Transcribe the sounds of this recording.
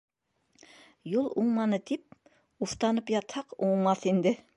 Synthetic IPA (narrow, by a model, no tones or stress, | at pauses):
julˠuɴmɑnɤt̪ip̚ | uft̪ɑnɤpjɑt̪hɑquɴmɑθind̪ɘ